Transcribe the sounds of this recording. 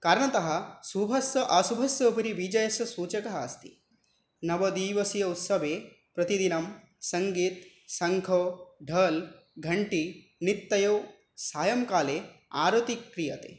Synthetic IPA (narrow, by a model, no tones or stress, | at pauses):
kaːɾɳɐt̪ɐɦɐ̆subʱɐsjɐʔɐsubʱɐsjɐpɐɾiʋid͡ʒɐjɐsɐsuːt͡ʃɐkɐɦa̰ːst̪i̥̰ | nɐʋɐd̪iːʋɐsijɐut̪sɐʋeː | pɾɐt̪id̪inɐm | sɐŋɡiːt̪ | sɐŋɡʱoːɖʱɐːl | ɡʱɐɳʈi | nit̪ːɐjoː | saːjɐmkaːleːa̰ːɾot̪ikɾijɐt̪ḛː